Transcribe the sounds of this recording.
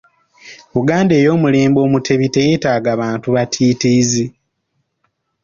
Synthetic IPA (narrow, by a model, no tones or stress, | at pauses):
βuɡaːnde̞ːjo̞ːmule̞ːmbo̞ːmutʰe̞βite̞jeːtaːɡaβaːntuβatʰiːtiːzi